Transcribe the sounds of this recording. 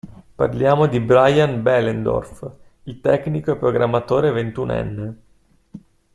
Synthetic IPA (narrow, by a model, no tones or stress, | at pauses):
pa̰rljaːmod̪ibɾajanbɛlend̪o̰rf | ilt̪ɛknikoepɾoɡɾamːat̪oːɾevent̪unɛ̰nːe